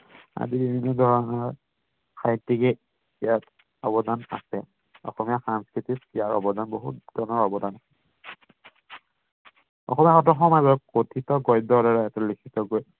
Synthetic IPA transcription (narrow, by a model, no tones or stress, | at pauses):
a̰zibibʱinːɔdʱɔɹɔnɔɹ | saɦtːikɛ | ijat | ɔbɔdana̰sɛ | ɔ̰xɔmijasanskɹititijaɹɔ̰bɔdanboɦut̚d̥ɔnɔɹɔbɔdanasɛ | ɔ̰xɔmiaxɔtɔxɔmajbɔkkotʰitɔɡɔjdɔɾɔɹaɛtɔlikʰitɔɡoj